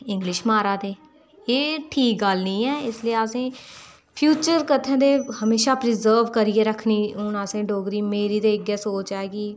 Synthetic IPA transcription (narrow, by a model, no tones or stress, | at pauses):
ɪ̃ŋɡlɪʃmaːɾaːd̪eː | eːʈʰiːk̚ɡəlnĩːɛːɪsliːaːsẽː | pʰjuːt͡ʃəɾkət̪ʰːãːd̪eːhəmeːʃaːpɾɪzəːɾʋkəɾieːɾəkʰniːɦʊnaːsẽːɖoːɡɾiːmeːɾiːd̪eːɪɡɛːsoːt͡ʃaːeːɡiː